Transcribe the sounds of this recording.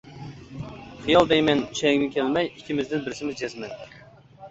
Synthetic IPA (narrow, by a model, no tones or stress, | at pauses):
χijɑlˠd̪ɛjmɛnyʃɛŋʲnɪkʲʰɛlmɛjikʲʰimɪzd̪ɪnbɪɾsɪmɪzd͡ʒɛzmɛn